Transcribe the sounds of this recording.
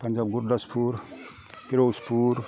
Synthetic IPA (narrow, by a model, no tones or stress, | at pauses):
pɐnd͡ʒaːb̚ɡuɾd̪ɐspʰuɾ | piɾospʰuɾ